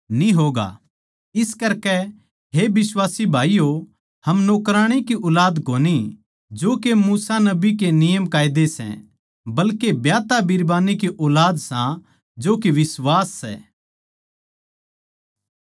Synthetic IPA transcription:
nĩɦoːɡa̰ | ɪskɐɾkɛ | ɦebɪswaːsibʱaːijo | hɐmnoːkɾaːɽ̃ikiʔɔːlaːd̪koːni | d͡ʒoːkemuːsanɐbikenɪjəmkaːɪd̪esɛ̰̃ | bɐlkebjaːt̪abʱiɾbaːnik̬iʔɔːlaːd̪sã | d͡ʒoːkeʋɪswaːsːɛ̰ː

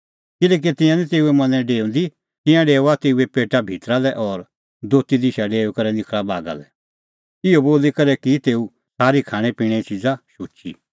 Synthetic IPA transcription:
kɪlɛːk̬it̪ɪ̃jãnĩt̪eːuɛmɐ̃nɛ̃ɖeːũnd̪i | t̪ɪ̃jãɖeːʊat̪eːuepeːʈabʱit̪ɾalɛʔɔːɾ | d̪oːt̪id̪ɪʃaɖeːukɐɾɛnɪkʰɭaba̰ːɡa̰lɛ̰ | ɪoboːlikɐɾɛkit̪eːu | saːɾikʰaːɽ̃ɛ̃pĩːɛit͡ʃid͡zaʃʊːt͡ʃḭ

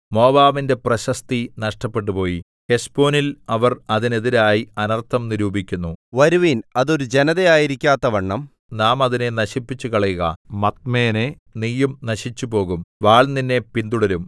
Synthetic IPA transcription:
mo̞ːbaːʋinde̞prɐɕɐst̪inɐʂʈɐpːe̞ʈ̬ːupo̞ːji | he̞spo̞ːnilɐʋɐrɐðine̞ðiɾaːjiɐnɐrt̪ʰːɐmniɾuːbikʲːunːuʋɐɾuʋinɐðo̞ɾud͡ʑe̞nɐðejaːjiɾikʲːaːt̪ːɐʋɐɳːɐm | naːmɐðine̞nɐɕipːit͡ɕːukɐɭɐjuɣɐ̰mɐt̪̚meːne̞ | nijːumnɐɕit͡ɕːupo̞ːɣumʋaːɭninːe̞pind̪uɽɐlum

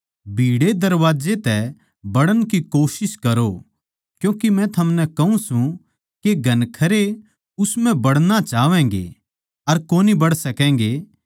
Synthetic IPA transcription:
bʱiːɽed̪ɐɾʋaːd͡ʒet̪ɛ | bɐɽənkikoːsɪskɐɾo | kjũːkimɛ̃t̪ʰɐmnɛkɐɦũsũ | keɡʱɐnkʰɐɾe | ʊsmɛ̃bɐɽnat͡ʃaːʋɛ̃ːŋɡḛ | ɐɾkoːnibɐɽsɐkɛ̃ːŋ̆ɡeː

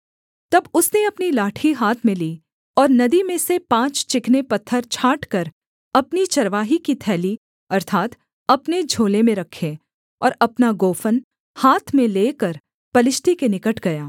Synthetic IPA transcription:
t̪ɐbʊsneɐpnilaːʈʰiɦaːt̪ʰmẽliː | ɔːɾnɐd̪imẽsepãːt͡ʃt͡ʃɪknepɐt̪ʰːəɾt͡ʃʰaːʈkɐɾ | ɐpnit͡ʃɐɾʋaːɦikit̪ʰɛːli | ɐɾt̪ʰaːt̪ | ɐpned͡ʒʱoːlemẽɾɐkʰːe | ɔːɾɐpnaɡoːfən | haːt̪ʰmẽleːkəɾ | pɐlɪʃʈ̪ikenɪkəʈʰɡɐjaː

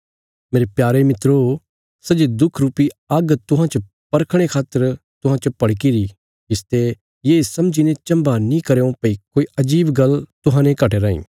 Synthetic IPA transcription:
meːɾepjaːɾemɪt̪ɾo | sɐd͡ʒed̪ʊkʰɾuːpiɐɡt̪ʊɦãt͡ʃə | pɐɾkʰɽ̃ekʰaːt̪ːəɾt̪ʊɦãt͡ʃɐpɐɽk̬iɾi | d͡ʒɪst̪e | jeːsɐmd͡ʒinẽt͡ʃɐ̃mbanĩkɐɾeːõpɐikoːiʔɐd͡ʒiːbɡɐlt̪ʊɦãːnẽkɐʈeɾaːḭ̃ː

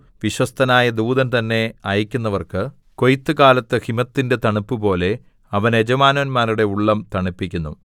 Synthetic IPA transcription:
ʋiɕwɐst̪ʰɐnaːjɐd̪uːd̪ɐnt̪ɐnːe̞ɐjikʲːunːɐʋɐrkɨ | ko̞jit̪ːɨkaːlɐt̪ːɨhimɐt̪ːinde̞t̪ɐɳupːɨpo̞ːle̞ | ɐʋɐne̞d͡ʑɐmaːnɐnmaːɾuɽe̞uɭːɐmt̪ɐɳipːikʲːunːṵ

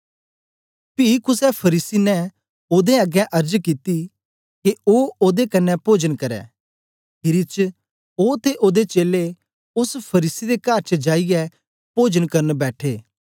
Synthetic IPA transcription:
piːkʊsɛpʰɐɾiːsinɛ | oːd̪eɐɡɛ̃ʔɐɾd͡ʒkit̪i | keoːoːd̪ekɐnːɛpoːd͡ʒənkɐɾɛ̰ː | ɦɪɾit͡ʃ | oːt̪ʰeʔoːd̪et͡ʃeːle | ʊspʰɐɾiːsid̪ekaːɾt͡ʃəd͡ʒaːijɛ | poːd͡ʒənkɐɾənbɛːʈʰeː

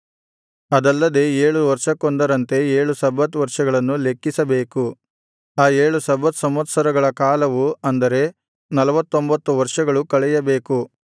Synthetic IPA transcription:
ɐd̪ɐlːɐd̪e̞ːeːɭuʋɐɾʂɐkond̪ɐɾɐnt̪e̞eːɭusɐbːɐt̪ʋɐɾʂɐɡɐɭɐnːule̞kːisɐbe̞ːku | aːeːɭusɐbɐt̪sɐmɐt̪sɐɾɐɡɐɭɐkaːlɐʋuɐnd̪ɐɾe̞ | nɐlɐʋɐt̪ːo̞mbɐt̪ːuʋɐɾʂɐɡɐɭukɐɭɛjɐbe̞ːku

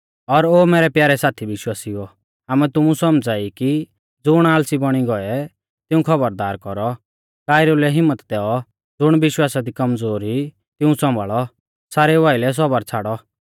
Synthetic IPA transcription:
ɔɾoːmɛːɾɛpjaːɾɛsaːt̪ʰiʋɪʃwaːsiɔ | ɦaːmɛt̪ʊmũsɔmd͡zaːiki | d͡zʊɽ̃aːlsibɔɽ̃iɡɔɛ | t̪ɪũkʰɐbəɾd̪aːɾkɔɾɔ | kaːɪɾelɛɦɪmːət̪d̪ɛɔ | d͡zʊɽ̃bɪʃwaːsad̪ikɐmd͡zoːɾɦi | t̪ɪũsɔ̃mbaɭɔ | saːɾɛʋaːɪlɛs̬ɔbəɾt͡sʰaːɽɔ

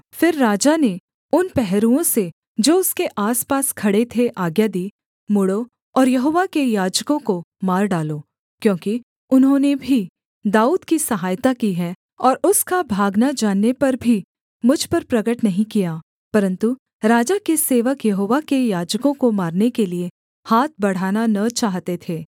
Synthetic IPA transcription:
fɪɾːaːd͡ʒane | ʊnpɛɦɾũõse | d͡ʒoːʊskeʔaːspaːskʰɐɽet̪ʰeʔaːɡjad̪iː | mʊɽo | ɔːɾjɐɦoːʋakejaːd͡ʒkõkomaːɾɖaːloː | kjõːki | ʊnɦõnebʱi | d̪aːuːd̪kisɐɦaːjt̪akiɦɛː | ɔːɾʊskabʱaːɡnad͡ʒaːnːepɐɾbʱi | mʊd͡ʒʱpɐɾpɾɐɡəʈnɐɦĩkijaː | pɐɾə̃nt̪u | ɾaːd͡ʒakeseːʋəkjɐɦoːʋakejaːd͡ʒkõkomaːɾnekelie | haːt̪̚ʰbɐɽ̤aːnanɐt͡ʃaːɦt̪et̪ʰeː

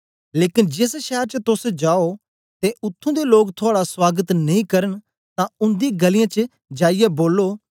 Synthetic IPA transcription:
leːkɪnd͡ʒɪsʃɛːɾt͡ʃət̪ʊsd͡ʒaːo | t̪eʔʊt̪ʰːõd̪eloːkt̪ʰoaːɽaswaːɡət̪nɐĩkɐɾəɽ̃ | t̪ãʊ̃nd̪ĩɡɐlɪjãt͡ʃə | d͡ʒaːɪjɛboːlːoː

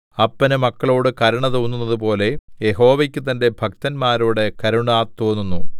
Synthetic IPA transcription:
ɐpːɐnɨmɐkːɐɭo̞ːɽɨkɐɾɐɳɐt̪oːnːunːɐðup̬o̞ːle̞jeɦo̞ːʋɐkʲːut̪ɐnde̞bʱɐk̚t̪ɐnmaːɾuːɽe̞kɐɾuɳaːt̪ːoːnːunːu

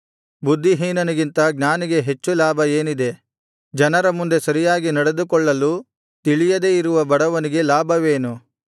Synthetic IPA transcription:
bud̪ʱːiɦiːnɐniɡint̪ɐɡɲaːniɡe̞ɦe̞t͡ʃːulaːbʱɐe̞ːnid̪e̞ | d͡ʒɐnɐɾɐmund̪e̞sɐɾijaːɡinɐɽe̞d̪ukɔɭːɐlu | t̪iɭijɐd̪e̞ːiɾuʋɐbɐɽɐʋɐniɡe̞laːbʱɐʋe̞ːnu

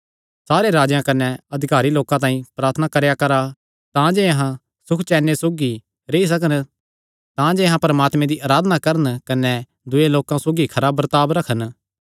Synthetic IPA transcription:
saːɾeɾaːd͡ʒjãkɐnɛɐd̪ʱɪkaːɾiloːkãt̪̬ãːĩpɾaːɾt̪ʰənakɐɾjakɐɾa | t̪ãd͡ʒeɐɦã | sʊkʰt͡ʃɛːnesoːɡi | ɾeːis̬ɐkən | t̪ãd͡ʒeːɦãpɐɾɐmaːt̪mɛ̃d̪iʔaːɾaːd̪ənakɐɾənkɐnɛ | d̪ʊeloːkãsoːɡikʰɐɾaːbɾɐt̪aːbɾɐkʰən

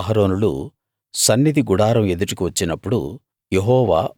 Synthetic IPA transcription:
ɐɦɐɾo̞ːnulṵ | sɐnːid̪iɡuɽaːɾɐme̞d̪uʈukiʋɐt͡ʃːinɐpːuɽṵ | jeɦɔːʋa̰ː

